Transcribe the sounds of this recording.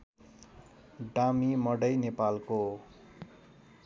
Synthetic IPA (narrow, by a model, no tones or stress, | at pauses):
ɖamimʌɽʌjnepalko